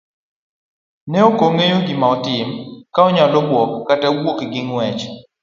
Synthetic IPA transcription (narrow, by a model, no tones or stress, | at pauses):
nɛokoŋejoɡɪmaɔtɪmkaɔɲalɔbwɔkːatawokɡɪŋwɛt͡ʃ